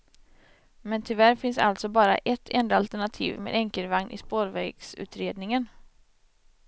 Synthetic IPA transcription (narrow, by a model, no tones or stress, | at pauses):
mɛnt̪ʰɪlvæɾfɪnsa̰lt̪sɔbɑːɾa̰ʔɛt̪ʰːɛnd̪aalt̪æɳat̪ʰḭːvmḛːd̪ɛŋkəlvaŋnʔɪ̰spoːɾvɛɡsʉ̟̰ːt̪ɾeːd̪nɪŋən